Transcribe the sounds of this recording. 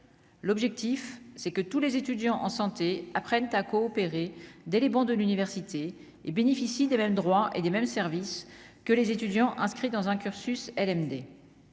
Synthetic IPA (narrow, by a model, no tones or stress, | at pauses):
lɔbʒɛk̚t̪ifsɛkət̪ulezet̪yd̪jɑ̃ʔɑ̰̃sɑ̃t̪eapχɛnt̪akɔːpeʁed̪ɛlebɑ̃d̪əlynivɛʁsit̪ʰe | ebenefisid̪emɛmd̪ʁwaʔḛd̪emɛmsɛʁviskəlezet̪yd̪jɑ̃ʔɛ̃skχid̪ɑ̃zɛ̃kʲyʁsysɛlɛmd̪e